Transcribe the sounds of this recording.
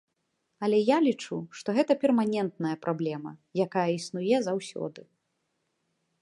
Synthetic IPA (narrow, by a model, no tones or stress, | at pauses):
ɐlʲɛjalʲit͡ʂuʂt̪ɔɣɛt̪ɐpʲɛrmanʲɛnt̪nɐjɐpɾʔablʲɛmɐ̰jakajɐisnujɛzawsʲɔ̰d̪ɨ